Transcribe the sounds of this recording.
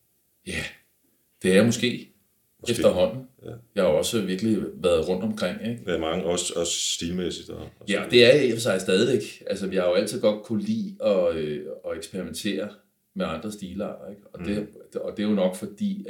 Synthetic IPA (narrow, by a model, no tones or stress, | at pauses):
jæ | d̥e̝æɐjamɔsɡ̥e̝̰ː | ed̥ɐɦɒ̽n̰n̩jɑ̈hɑ̈ɒ̽səʋiɐɡ̥liʋæːɐð̞ˠʁɔ̽n̰d̥ɒ̽mkʰʁeŋ̰eɡ̥mɑ̈ŋəɒsɒsːd̥iːlmesid̥ɒjæɒd̥e̝æɐjfɒsɑ̈ɪsd̥ɛːð̞ˠiʋeɡ̥ʔælsəʋihɑ̈jo̝æl̰t͡sʰið̰ˠɡ̥ɒ̽d̥̚kʰulḭːɒ̽øɒ̽eɡ̥sb̥eʁiment͡sʰe̝̰ːɐ | meɑ̈nd̥ʁɐsd̥iːlɑ̰̈d̥ɐeɡ̥ɒ̽d̥e̝̥ɒd̥e̝jonɒ̽ɡ̥fɒ̽d̥ḭː